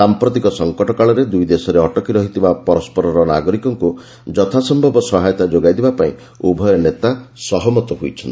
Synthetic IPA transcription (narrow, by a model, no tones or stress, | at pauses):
sampɾɔt̪ikɔsɔŋkɔʈɔkaɭɔɾed̪ujd̪esɔɾeɔʈɔkiɾɔɦit̪ʰibapɔɾɔspɔɾɔɾɔna̰ɡɔɾikɔŋku | d͡ʒɔt̪ʰasɔmbʱɔbɔsɔɦajɔt̪ad͡ʒoɡajd̪ibapaĩ | ubʱɔjɔnet̪asɔɦɔmɔt̪ɔɦojt͡ʃʰɔnt̪i